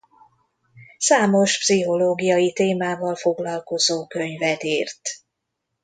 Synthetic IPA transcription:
saːmo̞ʃpsiɦo̞loːɡijɒjit̪eːmaːvɒlfo̞ɡlɒlko̞zoːkø̞ɲvɛt̪iːrt̪

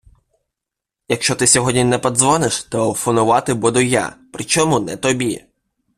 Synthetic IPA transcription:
jɐkʃt͡ʃɔt̪ɪsʲɔɦɔdʲnʲinɛpɐd̪zʋɔnɪʃt̪ɔːfɔnʊʋɑt̪ɪbud̪ʊja̰pɾɪt͡ʃɔmunɛt̪ɔbʲḭ

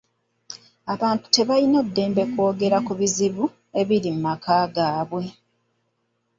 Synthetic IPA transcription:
aβaːntu̥te̞βalino̞dːe̞ːmbe̞ko̞ːɡe̞ɾakuβiziβu | e̞βiɾimumakaːɡaːβwe̞

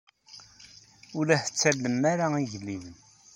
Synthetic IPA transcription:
ʊlæθə̥t͡sːælːəmaɾaiʝəlːiðən

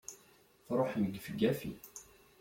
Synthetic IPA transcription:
θɾˤoħməɡfəɡːæfḭ

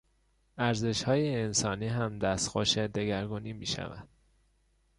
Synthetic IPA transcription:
æɾze̞ʃhɒːjeːnsɒːniːɦæmd̪æst̪xoʃed̪e̞ɡæɾɡuːniːmiːʃæ̰væ̰nd̪̥

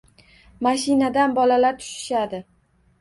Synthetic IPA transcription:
maʃɪnad̪anbɒlalaɾt̪ʰʊ̥ʃɪ̥ʃad̪ɪ

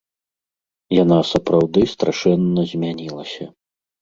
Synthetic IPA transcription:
janasɐpɾawd̪ɨst̪ɾaʂɛnːɐzʲmʲanʲilˠɐsʲɐ

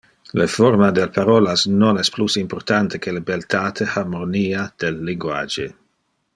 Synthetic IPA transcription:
lefɔrmad̪ɛlpʰaɾɔːlasnonɛsplusimport̪ant̪ekʰelebelt̪ʰaːt̪ʰeharmoniːad̪̥elːiŋɡwa̰d͡ʒe

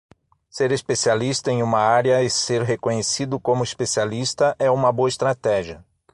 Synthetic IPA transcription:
seɾespesialist̪ɐẽj̃ũmɐaɾjɐɪseɾɦekõɲesid̪ʊkõmʊespesialist̪ɐʔɛũmɐboɐest̪ɾat̪ɛʒiɐ

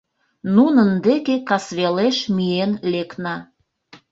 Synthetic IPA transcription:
nunənd̪ekekɑsβeleʃmyenleknɑ

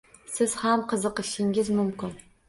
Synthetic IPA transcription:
sɪz̥hamqʰəzɨqəʃɪŋʲɪzmʊmkʲɪn

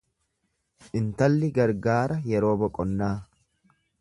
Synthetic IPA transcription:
ʔɪnt̪ɐlːɪɡɐɾɡaːɾɐjɛɾo̞ːbɔkʼɔnːaː

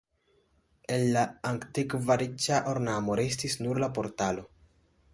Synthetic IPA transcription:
enːaaŋktikvaɾit͡ʃaʔoɾnamo̞ɾe̞stisnuɾlapo̞ɾtalo̞

